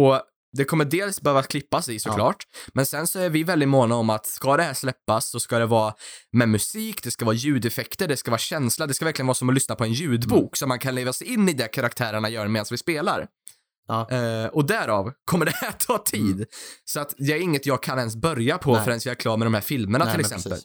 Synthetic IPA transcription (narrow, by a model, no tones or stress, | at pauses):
ɔ | d̪ɛkʰɔmːəɖeːlsbɛhøːvat̪̚kʰlɪpːasɪsɔkklɑːʈmɛnsɛnsɔæɾvɪvɛld̪ɪmoːnaɔmːat̪skad̪ɛhæːʂlɛpːasːɔskad̪ɛvɑːmɛmɵsiːkd̪ɛskavɑːjʉ̟ːd̪ɛfɛkt̪əɖɛskavɑːɕɛnslad̪ɛskavæɾklɪjənvɑːsɔmɔlʏsnapʰɔɛnjʉ̟ːd̪buːksɔt̪mankʰanleːvasɛɪɪnːɪd̪ɛkʰaɾak̚t̪ʰæːɾəɳajœːɾameːd̪ansvɪspeːla̰ɾ | ɔd̪æɾɑːvkʰɔmːəɖɛt̪ʰːɑːt̪ʰiːd̪sɔat̪d̪ɛæɾɪŋːət̪jɑːɡ̚kʰanɛns̬bœɾjapʰɔfɾɛnsjɛːɾɛkʰlɑːmːɛd̪ɔmhæːɾfɪlməɳat̪ɪlɛsɛ̰mə̰l